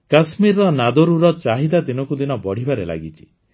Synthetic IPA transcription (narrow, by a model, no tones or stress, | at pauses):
kasmiɾɔnad̪ɔɾuɾɔt͡ʃaɦid̪ad̪inɔkud̪inɔbɔɽ̤ibaɾela̰ɡit͡ʃʰi̥